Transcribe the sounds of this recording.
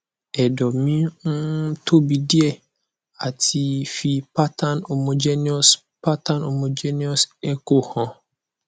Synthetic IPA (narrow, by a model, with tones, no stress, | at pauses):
ɛ˨dɔ˨mĩ˦n̩˦tʰo˦bi˨dɪ˦ɛ˦ | a˨tʰi˨fi˨pa˦tʰa˦no˨mo˨d͡ʒɛ˦ni˦ɔ˦s | pa˦ta˦no˨mo˨d͡ʒe˦ni˦ɔ˦sɛ˦ko˦hɔ̃˨˦